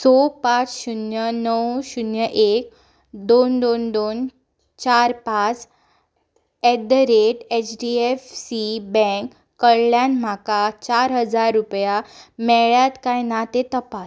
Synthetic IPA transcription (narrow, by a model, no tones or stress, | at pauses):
sɔpat͡sɕunjənəwɕunjəʔek | d̪ond̪ond̪on | t͡ɕaɾpat͡s | ɛd̪əɾeʈet͡ɕɖiefsibɛ̃ŋkː | əɭljanm̤akat͡ɕaɾɦəd͡zaɾːupjamɛɭjat̪kajnat̪et̪əpas